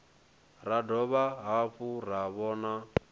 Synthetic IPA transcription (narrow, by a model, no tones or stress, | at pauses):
ɾadɔβaɦaɸuraβɔːna